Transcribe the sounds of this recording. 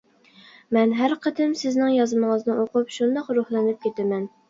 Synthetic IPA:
mɛnɦæɾqʰət̪ɪmsɪznɪŋjɑzməŋəznɨʔoqʰʊpʃund̪ɑqɾuhlˠɛnɪp̚kʲʰet̪ɛmɛn

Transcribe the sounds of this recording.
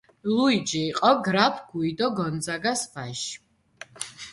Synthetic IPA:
luid͡ʒiːqʼɔɡɾapʰɡ̥uid̪ɔɡɔnd̪zaɡasvaʃ

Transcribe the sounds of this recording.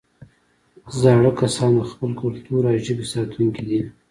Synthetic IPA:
zɑɽəkasɑnxpəlkʊlt̪uɾɑʒəbisɑt̪ʰuŋkid̪i

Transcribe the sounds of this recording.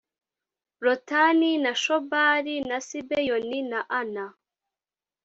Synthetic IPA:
ɾotaninaʃobaːɾinasibejoninaʔana

